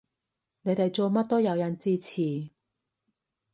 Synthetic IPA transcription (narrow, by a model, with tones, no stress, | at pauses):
ne˨˧˥jt̪e˨˩jt͡so˧mɐ˥t̚t̪o˥jɐ˨˧wja˧nt͡siː˥˧t͡sʰiː˨˩